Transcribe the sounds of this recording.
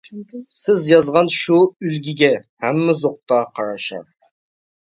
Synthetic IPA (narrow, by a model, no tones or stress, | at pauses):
sɪzjɑzʁɑnʃuylɡʲɪɡʲɛhæmːɪzoq̚t̪ɑqʰɑɾɑʃɑ̰ɾ